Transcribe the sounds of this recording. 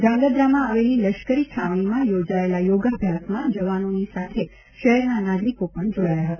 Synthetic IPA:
d̪ãŋɡəd̪ɾamãaʋeliləʃkəɾit͡ʃʰaʋɽ̃imãjod͡ʒaelajoɡabʱjasmãd͡ʒəʋanonisat̪ʰe | ʃəɦɛɾnanad̪likopəɳd͡ʒoɽajaɦət̪a

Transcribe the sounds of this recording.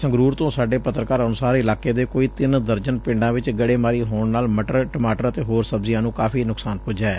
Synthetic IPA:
sə̃ŋɡɾuːɾt̪õːsaːɖeːpət̪ɾəkaːɾənʊsaːɾɪlaːkeːd̪eːkoːiːt̪ɪnd̪əɾd͡ʒənpɪɳɖãːʋɪt͡ʃɡəɽeːmaːɾiːɦoːɳnaːlməʈəɾʈəmaːʈəɾət̪eːɦoːɾsəbzɪjãːnũːkaːpʰiːnʊksaːnpʊd͡ʒaːɛː

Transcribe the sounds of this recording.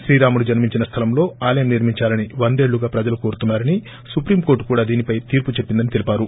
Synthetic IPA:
sɾiːɾaːmuɽud͡ʒɐnmiɲt͡ʃinɐst̪ʰɐlɐmlo̞ːaːlɐjɐmniɾmiɲt͡ʃaːlɐniʋɐnd̪e̞ːɭːuɡaːpɾɐd͡ʒɐlukoːɾut̪unːaːɾɐni | supɾiːmko̞ːɾʈkuːɽaːd̪iːnipɐjt̪iːɾput͡ʃe̞pːind̪ɐnit̪elipaːɾu

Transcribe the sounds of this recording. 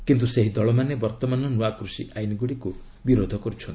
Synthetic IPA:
kint̪̬useɦid̪ɔɭɔmanebɔɾt̪ɔmanɔnuakɾusiʔajniɡuɽiku | biɾod̪ʱɔkɔɾut͡ʃʰɔnt̪i

